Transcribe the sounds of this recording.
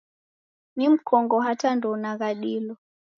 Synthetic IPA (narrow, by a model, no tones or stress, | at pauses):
mim̩kʰɔŋɡɔɦatandɔnaɣaɗilɔ